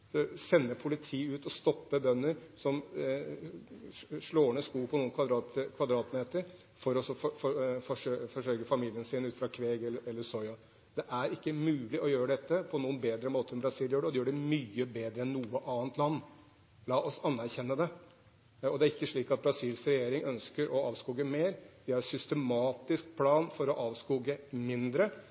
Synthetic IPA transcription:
dɔsɛnːəpʰʊlɪt̪ʰiːʉːt̪ɔst̪ɔpːəbœnːəɾsɔm | ʂɭoːɳəskuːpʰɔnuːənkʰʋɑd̪ɾɑt̪kʰʋɑd̪ɾɑːt̪meːt̪əɾ | fɔɾɔsɔfɔfɔfɔʂøfɔʂœʏkəfɑmiːlɪənsɪnʉːt̪fɾɑkʰʋeːɡɛləɛlːəsɔʏɑ | d̪̥ɛʔæɾɪkːəmʉːlɪʔɔjøːɾəɖ̪ɛt̪ːəpʰɔnuːənbeːd̪ɾəmoːt̪əɾnbɾɑsiːljøːɖɛɔd̪ɛjøːɖɛmyːəbeːd̪ɾəɛnnuːəʔɑːənt̪ʰlɑnː | lɑːʔɔsɑnːæɾçɛnːəd̪ɛ | ɔd̪ɛæɾɪkːəʂɭiːkɑt̪̚bɾɑsiːlsɾɛjeːɾɪŋœnskəɾʔɔɑːʋskuːɡəmeːɾd̪ɪæɾsʏst̪ɛmɑːt̪ɪsk̚pʰlɑːnfɔɾɔʔɑːʋskuːɡəmɪnd̪ɾə

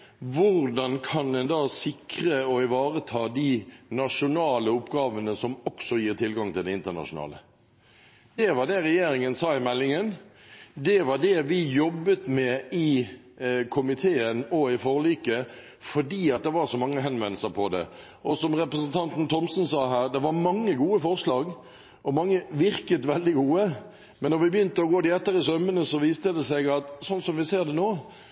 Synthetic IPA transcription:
ʋʊɾd̪ɑnkʰɑnd̪ɛnd̪ɑːsɪkɾəɔɪʋɑːɾət̪ʰɑːd̪inɑʂʊnɑːləʊpːɡɑːʋənəsɔmɔksɔjiːʁt̪ʰɪlɡɑŋt̪ɪld̪ɛɪnt̪ənɑ̰ʂʊnɑ̰ːlə | d̪ɛʋɑd̪ɛɾɛjeːɾɪŋənsɑːɪmɛlːɪŋənd̪ɛʋɑɖ̪ɛʋɪjɔbːət̪mɛɪ | kʰʊmɪt̪ʰeːənɔɪfɔɾliːkə | fɔɖiːɑt̪̚d̪ɛʋɑɾsɔmɑŋːəɦɛnʋɛnl̩səɾpʰɔd̪ɛ̰ | ʔɔsɔmʁɛpɾəsənt̪ʰɑnt̪n̩t̪ʰɔmsn̩sɑːɦæːɾd̪ɛʋɑɾmɑŋːəɡuːəfɔʁʂlɑːɡ | ɔmɑŋːəʋɪɾkət̪ʋɛld̪ɪɡuːə | mɛnːɔɾʋɪbjʏnt̪əɔɡoːd̪ɪɛt̪ːəɾɪsœmənəsɔʋiːst̪əd̪ɛsɛɡɑt̪sɔnsɔmʋɪseːɾd̪ɛnoː

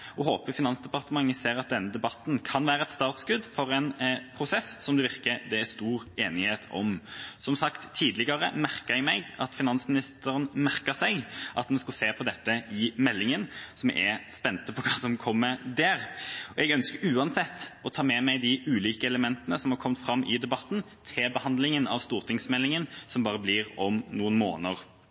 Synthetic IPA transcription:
ɔɦoːpəfɪnɑnsd̪ɛpɑʁt̪əmɑŋːəseːɾɑt̪̚d̪ɛnːəd̪ɛbɑt̪ːnkʰɑnʋæːɾəɛt̪st̪ɑːʁt̪skʉd̪fɔɾɛnpʰɾʊsɛsːɔmd̪ʉʋɪɾkəd̪ɛæst̪uːɾeːnɪheːt̪ʰɔ̰msɔmsɑkt̪ʰːiːd̪lɪɡəɾəmæʁkəɛɡmɛɪɡɑt̪fɪnɑnsmɪnɪst̪əɾənmæɾkəsæɪʔɑt̪mɛskɑseːpʰɔd̪ɛt̪ːəɪmɛlːɪŋənsɔm̰ɛspɛnt̪əpʰɔkʰɑːsɔmkʰɔmːəd̪æːɾɔɛɡœnskəɾʉːɑnsɛt̪ːɔt̪ʰɑːmɛmæɪd̪ɪʉːliːkəɛləmɛnt̪ənəsɔmhɑɾkʰɔmt̪fɾɑmːʔɪd̪ɛbɑt̪ːn̩ | t̪ʰɪlbəhɑnd̪lɪŋənɑʋst̪uːʁt̪ʰɪŋsmɛlːɪŋənsɔmbɑːʁəblɪɾɔmnuːənmo̰ːnəɾ

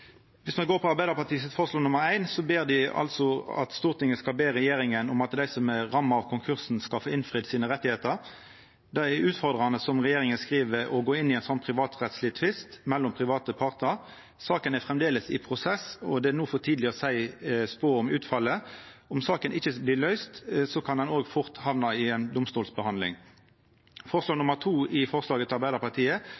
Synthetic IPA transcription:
ʋɪsmɛnɡoːʁpʰɔɑʁbæɪd̪əʁpɑt̪iːsət̪fɔːʁəsloːnʊməɾæɪnsɔbeːʁd̪ɪɑ̰lt̪sɔɑ̰t̪st̪uːʁt̪ʰɪŋːəskɑlbeːʁɛjeːʁɪŋənɔmɑt̪d̪æɪsɔmɛʁɑmːɑɑʋkʰʊŋkʰʉʁsn̩skɑlfoːɪnfʁɪd̪siːnəʁɛt̪ːɪheːt̪əʁ | d̪æɛʉːt̪fɔʁd̪ʁɑnəsɔmʁɛjeːʁɪŋənskʁiːʋəɔɡoːɪnːɪæɪnsɔnːpʰʁɪʋɑːt̪ʁɛt̪slɪt̪ʰʋɪst̪mɛlːʊmpʰʁɪʋɑːt̪əpʰɑʁt̪nəʁ | sɑːkənæfʁɛmd̪eːləsɪpʰʁʊsɛsɔd̪ɛænuːfɔt̪ʰiːd̪lɪəʁəsæɪspoːɔmʉːt̪fɑlːə | ɔmsɑːkənʔɪçəbliːlœʏst̪sɔkʰɑnd̪ɛnoːɡfʊʁt̪hɑʋnɑɪɛnd̪ʊmst̪uːlsbəhɑnd̪lɪ̰ŋ | fɔʁslɑːɡnʊməʁt̪ʰuːɪfɔʁslɑːɡət̪ʰɑʁbæɪɑʁpɑʁt̪ʰiːə

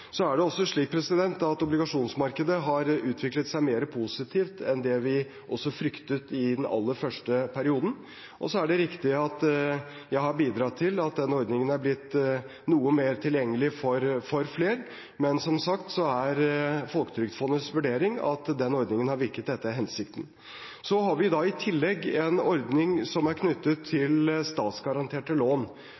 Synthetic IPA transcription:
sɔæɖɛɔsːɔʂɭiːk̚pʰɾɛsɪd̪ɛnt̪ɑt̪ɔblɪɡɑʂuːnsmɑɾkəd̪əɦɑɾʉːt̪ʰʋɪklət̪sæɪmeːɾəpʰuːsɪt̪ʰiːft̪ɛnd̪ɛʋɪ | ʔɔsːɔfɾʏkt̪ət̪ɪd̪ɛnɑ̰lːəɾfœʂʈəpʰæɾɪuːd̪n̩ | ʔɔ̰sɔæɖɛɾɪkt̪ɪɑt̪ | jæɪhɑɾbiːd̪ɾɑːt̪ʰɪlɑt̪̚d̪ɛnːɔɾd̪nɪŋənæɾblɪt̪ː | nuːəmeːɾt̪ʰɪljɛŋːəlɪfɔɾfɔɾfleːɾ | mɛnsɔmsɑkt̪sɔæɾfɔlkət̪ʰɾʏɡt̪fɔnːəsʋʉɖeːɾɪŋɑ̰t̪d̪ɛnːɔɾd̪nɪŋənhɑɾʋɪɾkət̪̚d̪ɛt̪ːəæɦɛnsɪkt̪ən̩ | sɔɦɑɾʋɪd̪ɑɪt̪ʰɪlːɛɡːɛnɔɾd̪nɪŋsɔmæɾkʰnʏt̪ːət̪ʰːɪlst̪ɑːt̪sɡɑɾɑnt̪ʰeːʈəloːn

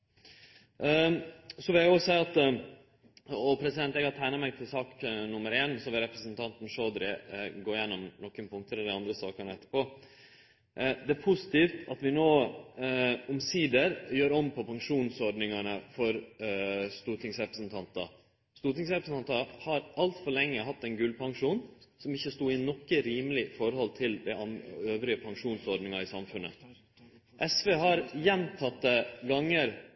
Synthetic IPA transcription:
sɔʋɪljæɔsæɪɑt̪ | ɔpʰɾɛsɪd̪ɛnt̪ɛːɡhɑt̪ʰæɪnəmɛɡt̪ʰɪlsɑːknʊmːəɾeːnsɔʋɪɾɛpɾəsənt̪ʰɑnt̪n̩ʂoːd̪ɾɪɡoːɪjɛnːɔmnɔkːənpʰʊŋkt̪əɾɛd̪ɪɑnd̪ɾəsɑ̰ːkəɳəɛt̪ːə̥po | d̪ɛæɾpʰʊsɪ̥t̪iːft̪ɑt̪ʋɪnoː | ɔmsiːd̪əɾjøːɾɔmːpʰɔpʰɑŋʂuːnsɔɖnɪŋɑnəfɔɾ | st̪uːt̪ʰɪŋsɾɛpɾəsənt̪ʰɑnt̪ɑ̰ | st̪uːʈ̪ɪŋsɾɛpɾəsn̩ɑnt̪ɑhɑɾʔɑlt̪fɔɭɛŋːəɦɑt̪ːɛnɡʉlpʰɑŋʂuːnsɔmɪçːəst̪uːɪnɔkːəɾiːməlɪfɔɾhɔlt̪ʰɪld̪æɪɑnøːʋɾɪəpʰɑŋʂuːnsɔɖnɪŋɑɪsɑmfʉnə̰ | ʔɛsʋeːɦɑɾjɛnt̪ʰɑt̪ːəɡɑŋːəɾ

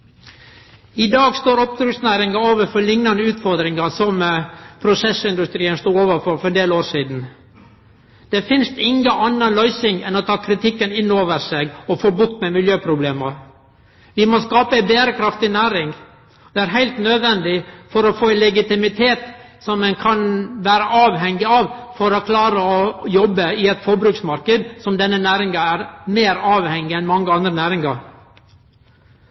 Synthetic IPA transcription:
ɪd̪ɑːɡst̪oːɾɔp̚d̪ɾʉksnæːɾɪŋɑoːʋəfɔlɪŋnɑnəʉːt̪fɔɾd̪ɾɪŋɑsɔmpʰɾʊsɛsɪnd̪ʉst̪ɾiːənst̪uːɾoːʋəɾfɔɾfɔɾɛnd̪eːloːɾʂiːd̪n̩ | d̪̥ɛfɪnst̪ɪŋəʔɑnːɑlœʏsɪŋɛnɔt̪ʰɑːkʰɾɪt̪ʰɪkːənɪnːoːʋəɾsɛɡɔfoːbʊkt̪mɛmɪljøːpʰɾʊbleːmɑ | ʋɪmɔskɑːpəbeːɾəkʰɾɑft̪ɪnæːɾɪŋ | d̪̥ɛæɾɦæɪlt̪nød̪ʋɛnd̪ɪfɔɾɔfoːɛlɛɡɪt̪ɪmɪt̪ʰeːt̪ | sɔmːɛnkʰɑnʋæːɾəʔɑːʋɦɛŋːɪɑʋfɔɾɔkʰlɑːɾəɔjɔbːəɪɛt̪fɔɾbɾʉːksmɑɾkəd̪sɔmd̪ɛnːənæːɾɪŋɑæɾmeːɾɑːʋhɛŋːɪɛnmɑŋːəɑnd̪ɾənæːɾɪŋɑɾ

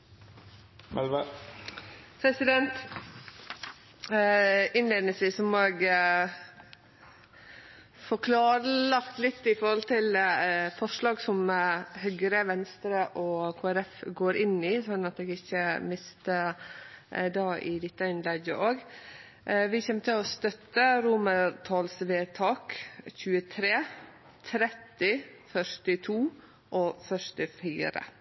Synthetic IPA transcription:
mɛlʋə | pʰɾɛsɪd̪ɛnt̪ | ɪnleːnəsɪsɔmoːɛɡ | fɔɾkʰlɑːɾəlɑkt̪lɪt̪ːɪfɔɾhɔlt̪ʰɪlfɔʂɭɑːɡsɔmhœɡɾəʋɛnst̪ɾəʔɔkʰoːæɾɛfɡoːɾɪnɪsɔnnɑt̪eːɡɪçːəmɪst̪ə | d̪ɑːʔɪd̪ɪt̪ːəɪnlɛɡ̪əʔoːɡ | ʋɪçɛmːt̪ʰɪlɔst̪œt̪ːəɾʊməɾt̪ʰɑːlsʋeːt̪ʰɑːkçʉːət̪ʰɾeː | t̪ʰɾɛt̪ːɪfœʂʈɪt̪ʰuː | ʔɔfœʂʈɪfḭːɾə̰

